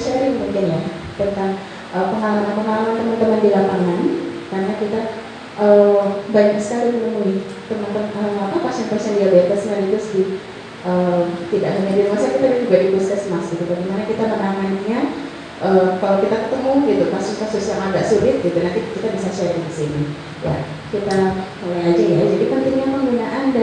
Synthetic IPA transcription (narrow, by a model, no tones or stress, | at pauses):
ʃaɾɪŋəmudianja | t̪ənt̪aŋ | ʔəpəŋalalamanpəŋalamant̪əmənt̪əməndilapaŋankaɾənakit̪a | ʔəːbaɲak̚sə̥kalimənəmui | t̪əmənt̪əməŋapapaksampasaŋdiabət̪asənaɾid̪ʊsdi | ʔəːt̪idaʔɡaɲadiɾimasakit̪abad͡ʒuɡadipɾɔsɛsmasik̪ut̪aɡimanakit̪amənamanɲa | ʔəːkalakit̪akət̪əmuɡit̪upasukasusijaŋadaʔsulɪt̪̚ɡit̪unat̪ikit̪abisasaadiəsini | ja̰kit̪amolajad͡ʒajad͡ʒadipənt̪ɪŋɲapəŋɡunaʔanda